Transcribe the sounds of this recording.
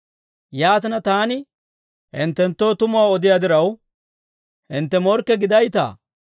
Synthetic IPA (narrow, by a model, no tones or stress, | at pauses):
jaːt̪ɪnɐt̪aːnɪ | hɪnt̪ːɛnt̪ːo̞ːt̪ʊmʊaːɔd̪ɪjad̪ɪɾɐw | hɪnt̪ːɛmɔɾkːɛɡɪd̪ɐjt̪a̰ː